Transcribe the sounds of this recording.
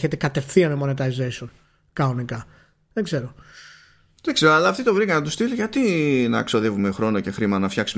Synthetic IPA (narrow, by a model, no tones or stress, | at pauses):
çet̪e̞kɐt̪e̞fθiɐnemo̞net̪ɐizeson | kɐnonikɐ | ðeɡze̞ɾo̞ | ðekseɾoɐlɐːft̪it̪ovɾikɐnɐt̪ust̪iliʝɐt̪inɐ̰kso̞ðe̞vume̞xɾo̞no̞ce̞xɾimɐnɐfçɐksum